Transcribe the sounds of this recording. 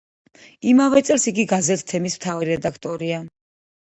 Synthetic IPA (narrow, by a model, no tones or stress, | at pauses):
imavɛt̪sʼɛlsiɡiɡazɛt̪ʰt̪ʰɛmismt̪ʰavɾiɾɛd̪akʰt̪ʼɔɾia